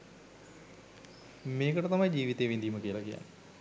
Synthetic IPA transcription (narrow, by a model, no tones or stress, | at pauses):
meːkəʈət̪ɐmɐjd͡ʑiːʋit̪ejʋind̪ijuməkijəlɐkija̰nːə